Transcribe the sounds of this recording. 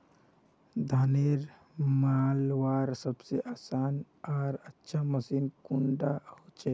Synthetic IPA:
d̪ʱaːneɾ | malwaːɾsəbseʔaːsaːn | ɔːɾətːʃʰaməsiːnkʊɳɖahot͡ʃe

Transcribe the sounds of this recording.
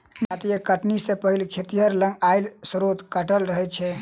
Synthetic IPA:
d͡ʒat̪ijəkəʈnisẽpəɦilkʰet̪ijəɾlə̃ŋɡaɪlsəɾot̪kəʈəlɾəɦɛt͡ʃʰɛ

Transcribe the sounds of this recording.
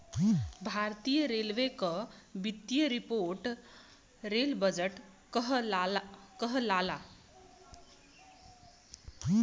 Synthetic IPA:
bʱaɾt̪ijəɾelʋekʌbit̪jəɾipoɾʈ | ɾelbʌd͡ʒeʈ | ɦ | kʌɦlala

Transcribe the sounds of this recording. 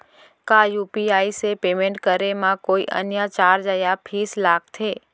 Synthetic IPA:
kajupiaisepemẽɳʈkəɾemãkoḭʔə̰njat͡ʃaɾd͡ʒajapʰislaɡ̚t̪ʰe

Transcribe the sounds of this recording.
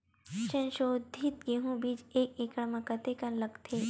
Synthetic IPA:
ʃɐ̃nʃoːd̪ʱit̪̚ɡeɦũbiːd͡ʒeːkekɾəməkət̪ekalɐɡt̪ʰeː

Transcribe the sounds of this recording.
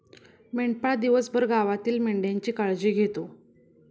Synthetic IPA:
meɳʈ̚paɭd̪iʋəsbʱəɾɡaʋat̪iːlmeɳɖjaɲt͡ɕiːkaɭd͡ʑiːɡʱet̪o

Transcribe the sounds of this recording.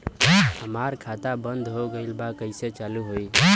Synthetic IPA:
ɦəmaɾkʰat̪abənd̪ɦoɡəɪlbakəɪset͡ʃaluɦoi

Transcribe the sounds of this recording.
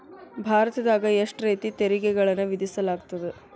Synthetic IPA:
bʱaːɾɐt̪ɐd̪aːɡɐeʂʈɾeːt̪it̪eɾiɡɛɡɐɭɐnːuʋid̪isɐlaːɡt̪ɐd̪e

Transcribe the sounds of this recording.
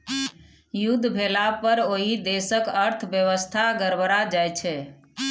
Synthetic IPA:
jud̪ʱːbʱelapəɾoɦid̪esəkəɾt̪ʰbjəʋəst̪ʰaɡəɾbəɾad͡ʒajt͡ʃʰɛ

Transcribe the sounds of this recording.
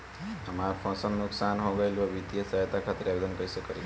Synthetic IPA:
ɦəmaɾpʰɔ̃sənːuksanɦõɡəjlbəbit̪ijəsəɦjət̪akʰat̪iɾabed̪ənkəisəkəli

